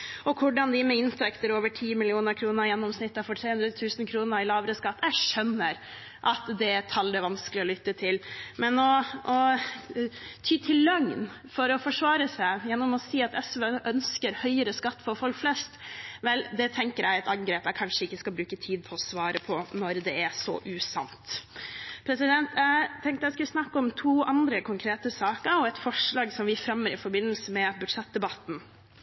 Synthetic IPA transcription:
ɔkʰʊɖɑnd̪ɪmɛɪnt̪ʰɛkt̪əɾoːʋəʈʰiːmɪlɪuːnəɾkʰɾuːnəɾjɛnːɔmsnɪt̪ːɑfɔʈʰɾeːhʉnd̪ɾət̪ʰʉːsən̩kʰɾuːnəɾɪlɑːʋəɾəskɑt̪ːjɛɡʂœnːəɾ | ʔɑt̪d̪ɛt̪ʰɑld̪ɛʋɑnskəlɪɔlʏt̪ːət̪ʰɪlmɛnɔɔ | t̪ʰyːt̪ʰɪllœŋn | fɔɾɔfɔʂʋɑːɾəsæɪjɛnːɔmɔsiːɑt̪ɛsʋəʔœnskəɾhœʏəɾəskɑt̪ːfɔɾfɔlkflɛst̪ʋɛld̪ɛt̪ʰɛŋkəɾʔæɛt̪ɑŋɡɾeːpæɪkʰɑnʂəɪkːəskɑlbɾʉːkət̪ʰiːd̪̚pʰɔɔsʋɑːɾəpʰɔnɔɾd̪ɛæsɔ̰ʔʉːsɑ̰mt̪ | pʰɾɛsɪd̪ɛnt̪ʰjæt̪ʰɛŋkt̪əɛɪskʉlsnɑkːɔmt̪ʰuːʔɑnd̪ɾəkʰʊŋkʰɾeːt̪əsɑːkəɾɔɛt̪fɔʂɭɑːɡsɔmʋɪfɾɛmːəɾɪfɔɾbɪnːəlsəmɛbʉ̥ʂɛt̪̚d̪ɛbɑt̪n̩

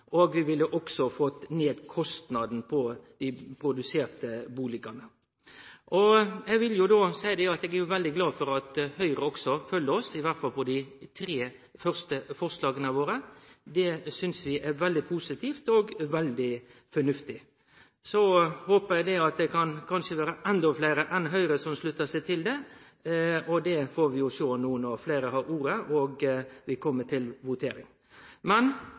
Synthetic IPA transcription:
ʔoːɡʋɪʋɪlːəʔɔksɔfɔt̪ːneːd̪kʰɔst̪nɑd̪n̩pʰɔd̪̥ɪpʰɾʊd̪ʉseːɾt̪əbuːlɪkɑnə | ʔɔɛɡʋɪljʊd̪oːsæɪd̪ɛɑt̪ɛːɡæɾjʊʋɛld̪ɪɡlɑːfɔɾɑt̪hœʏɾəɔksɔfœlːəɔsɪʋæʁt̪fɑlpʰɔd̪ɪt̪ʰɾeː | fœɾst̪əfɔʁslɑːɡənɑʋoːɾəd̪ɛsʏnsʋɪʔæɾʋɛld̪ɪpʰuːsɪt̪ʰiːft̪ɔɡʋɛld̪ɪfɔɳʉft̪ɪ | sɔhoːpəɾjæɪd̪ɛɑt̪̚d̪ɛkʰɑnkʰɑnʂəʋæːɾəʔɛnd̪ɔfleɪɾəʔɛnɦœʏɾəsɔmslʉt̪ːəsɛɪt̪ʰɪld̪ɛ | ɔd̪ɛfoːɾʋɪjʊsoːnuːənɔfleɪɾəɦɑːɾuːɾəʔɔɡʋɪkʰɔmːəʈʰɪlʋʊt̪ʰḛːɾɪ̰ŋ | mɛn

